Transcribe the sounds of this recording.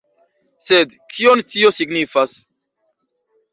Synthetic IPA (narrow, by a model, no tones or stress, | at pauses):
sedkʰiontio̞siɡnifas